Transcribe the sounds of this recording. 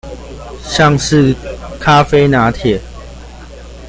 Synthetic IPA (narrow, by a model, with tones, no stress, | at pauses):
ɕa˥˨ŋʂ̩˥˨kʰa˦fe˦na˨˦t̪ʰjɛ˨